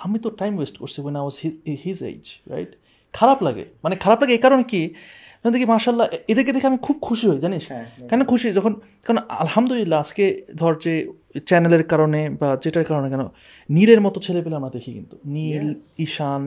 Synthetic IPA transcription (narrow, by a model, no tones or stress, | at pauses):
amit̪oʈajmwesʈkoɾt͡ɕʰiwenajwɔzihizḛd͡ʑɾa̰jʈ | kʰaɾaplaɡḛmanekʰaɾaplaɡeekaɾoneki | d͡ʑɔnd̪ekʰimaːʃalːaʔed̪eɾk̬ed̪ʱɛkʰeamikʰub̚kʰuʃiɦojd͡ʑaniʃkɛonkʰuʃid͡ʑɔkʰon | kaɾonɐ̰lhamd̪olilːaad͡ʑked̪ʱɔɾt͡ɕe | t͡ɕɛneleɾkaɾonebad͡ʑeʈaɾkaɾonekɛno | nileɾmɔt̪ot͡ɕʰelepeleamɾad̪ekʰikḭnt̪uniliʃan